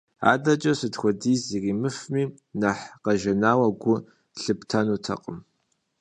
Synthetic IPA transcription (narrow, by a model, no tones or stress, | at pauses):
a̰ːdɐt͡ʃʼɐsɨtxʷɔdiːziriːmɨfmiː | naħqɐʒɐnaːwɐɡʷʊ | ɬɨptʰɐnuːtʰɐ̰qʼəm